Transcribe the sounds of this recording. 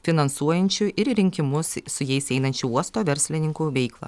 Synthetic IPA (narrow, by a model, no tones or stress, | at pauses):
fʲɪnɐnsuɔjɛnʲt͡ʃʲʊʔɪɾɾʲɪŋʲkʲɪmʊssʊjɛɪsɛɪnɐnʲt͡ʃʲʊuɔst̪oːʋʲɛɾʲsʲlʲɪnʲɪŋkuʋʲɛɪklˠɐ̰